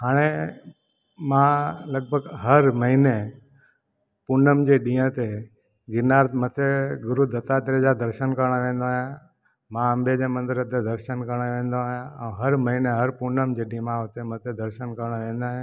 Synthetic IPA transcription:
ɦaːɽ̃e | mãləɡ̚bʱəɡɦəɾməɦine | puɾnəmd͡ʑeɗĩːə̃t̪e | ɡɪnaːɾmət̪ʰeɡʊɾud̪ət̪at̪ɾed͡ʒad̪əɾʃənkəɾɽ̃əʋẽːnd̪oaːjã | mãə̃mbʱed͡ʒẽmə̃nd̪ɪɾət̪ed̪əɾʃənkəɾəɳ̃əʋẽːnd̪oaːɦjãə̃ːɦəɾməɦineɦəɾpuɾnəmd͡ʑeɗĩmãɦot̪ʰemət̪ʰed̪ʱəɾʃənkəɾɽ̃əʋẽːnd̪aːɦjã

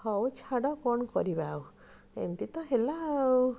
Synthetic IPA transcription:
hɔwt͡ʃʰaɽɔkɔɳkɔɾibaw | ḛmt̪it̪ɔɦela

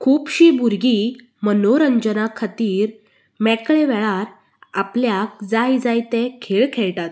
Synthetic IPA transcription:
kʰuːpɕiːbuɾɡi | mənoɾəɲd͡ʑənakʰat̪iːɾ | mɛkɭeʋɛɭaɾ | apljak̚d͡zajd͡zajt̪ekʰeɭkʰeɭʈat̪̚

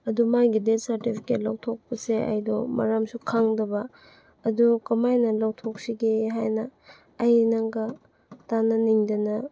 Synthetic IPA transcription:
ɐdumajɡidet̚sɐɾtipʰi̥ket̚lawtʰok̚pɐsea̰jdɔmɐ̰ɾamsukʰaŋdɐbɐː | dukɐmajnɐlawtʰok̚siɡeɦajnɐː | jnaŋɡɐ | tanɐniŋdɐnɐ

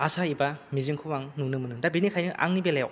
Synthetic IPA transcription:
asaibamiziŋkʰɯmaŋnunɯmɯnɯdabinikʰajnɯʔa̰ŋnibelajaw

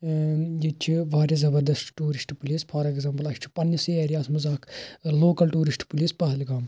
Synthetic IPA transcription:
jit͡ʃʰiʋaːɾʲjɐzɐbɐɾd̪ɐsʈʈuːɾisʈpuliːspʰɐɾɛɡzɐːmpɐlɐʃt͡ʃʰi̥pɐnːiseːɾijaːsmɐzaːkloːkɐlʈuːɾisʈpuliːspɐɦɐlɡaːm

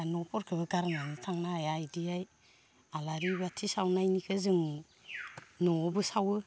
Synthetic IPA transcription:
nɔpʰɔɾkʰɯbɯɡaɾŋanɯtʰaŋnaːjajdijaj | alaɾibatʰisawnajnikʰɯzɯŋ | nɔːbɯsawɯ

